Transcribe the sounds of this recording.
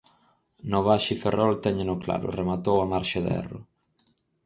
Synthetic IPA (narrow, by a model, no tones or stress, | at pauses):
noβaʃiferʔɔlt̪ɛɲɪnʊkla̰ɾʊ̰remat̪owamaɾʃaðɛ̰rʊ̰